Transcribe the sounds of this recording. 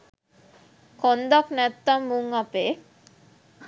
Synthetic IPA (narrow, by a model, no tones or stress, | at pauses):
kond̪aknɛt̪ːamːuŋapeː